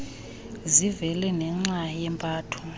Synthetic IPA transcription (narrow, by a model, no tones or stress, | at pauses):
zivɛlɛnɛŋ͡ǁajɛmpʼaːtʰu̥